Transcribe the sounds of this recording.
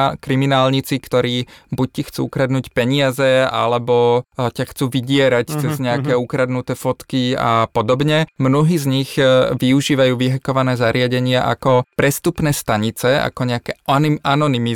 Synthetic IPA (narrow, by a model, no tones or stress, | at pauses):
kɾiminaːlɲit͡sikt̪ɔɾiːbuc̚cixt͡sṵːukɾad̪nuːcpɛɲɪazɛa̰lɛbɔcaxt͡suːʋiɟɪɛɾact͡sɛzɲɛakɛukɾad̪nut̪ɛːfɔt̪kia̰pɔd̪ɔbɲɛmnɔɦiːzɲiɣʋiuʒiːʋajuːʋiɦɛkɔʋanɛːzaɾɪaɟɛɲɪaʔa̰kɔpɾɛst̪upnɛːst̪aɲit͡sɛa̰kɔɲɛakɛanɔnimi